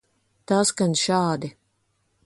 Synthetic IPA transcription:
t̪aːskanʃaːd̪i

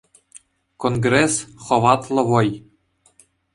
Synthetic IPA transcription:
konɡresχɤ̆ʋɑt̪lˠɤ̆vɤ̆j

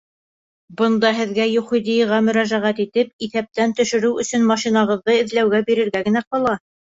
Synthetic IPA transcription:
bɤ̆nd̪ɑɦɘ̆ðɡæjuχĭjd̪ijʁɑmɵ̆ɾæʒæʁæt̪it̪ɘp̚iθæp̚t̪ænt̪ɵ̆ʃɵ̆ɾɘwɵ̆sɵnmɑʃinɑʁɤ̆ðːɤɘ̆ðlæwɡæbiɾɘ̆ɾɡæɡɘ̆næqɒlˠɑ

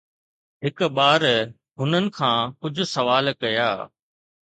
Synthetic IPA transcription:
ɦɪkɓaːɾ | ɦʊnənɪ̆kʰãːkʊd͡ʑʱʊ̆sɐʋaːlkɐjaː

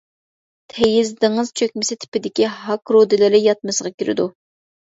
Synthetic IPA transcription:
t̪ʰɛjizd̪ɨŋɨz̥t͡ʃʰøkʲmɪsɪt̪ʰɪ̥pɪd̪ɪkʲiɦɑkɾod̪ɪlɪɾɪjɑt̪̚mɨsəʁɑkʲiɾɪ̰d̪u

